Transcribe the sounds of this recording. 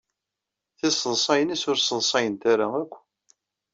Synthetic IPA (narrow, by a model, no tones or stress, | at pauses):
θisəðˤsˤɑjənisʊɾsˤəðˤsˤɑjənt̪aɾaækʷː